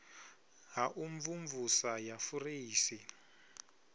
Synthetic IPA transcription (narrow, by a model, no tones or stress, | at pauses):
ɦaʔuɱvuɱvusajafuriːsi